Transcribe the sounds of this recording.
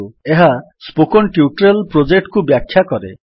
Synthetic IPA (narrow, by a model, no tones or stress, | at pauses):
ueɦa | spokɔnʈiuʈɾelpɾod͡ʒek̚ʈkubjakʰːjakɔɾḛ